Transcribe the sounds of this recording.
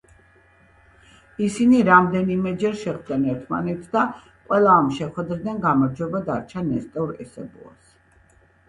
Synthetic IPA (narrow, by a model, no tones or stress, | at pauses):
isiniɾamd̪ɛnimɛd͡ʒɛɾʃɛχd̪ɛnɛɾt̪ʰma̰nɛt̪sʰd̪a | qʼwɛlˠaːmʃɛχwɛd̪ɾid̪anɡamaɾd͡ʒwɛbad̪aɾt͡ʃʰanɛst̪ʼɛuɾɛsɛbṵa̰s